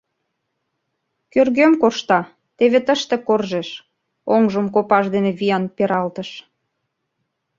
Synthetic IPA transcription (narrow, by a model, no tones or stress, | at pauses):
kørɣømkoʃt̪ɑ | t̪eβet̪əʃt̪ekorʒeʃ | oŋʒəmkopɑʃd̪eneβijɑnpeɾɑlt̪əʃ